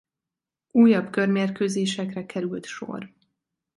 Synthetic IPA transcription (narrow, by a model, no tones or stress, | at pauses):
uːjɒbkørmeːrkøːzeːʃɛkrɛkɛɾylt̪ʃo̰r